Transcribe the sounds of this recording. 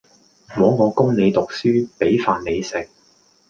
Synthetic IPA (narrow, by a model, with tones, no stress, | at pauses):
mɔː˨˥ŋɔː˨˧kʊ˥ŋne˨˧jt̪ʊ˨k̚syː˥pe˨˥jfaː˨˧nːe˨˧jsɪ˨k̚